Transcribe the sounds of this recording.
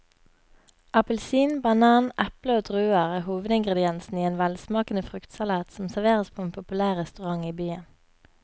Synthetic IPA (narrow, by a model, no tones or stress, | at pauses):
ʔɑpəlsiːnbɑnɑːnʔɛpləoːd̪ʁʉːəʁeːhuːʋəd̪ɪŋɡʁəd̪ɪɛnsn̩iːeːnʋælsmɑːkən̩əfʁʉkt̪sɑlɑːt̪sɔmsæʁʋeːʁəspʰoːeːnpʰʊpʉlæːʁʁɛst̪ʉʁɑŋiːbyːən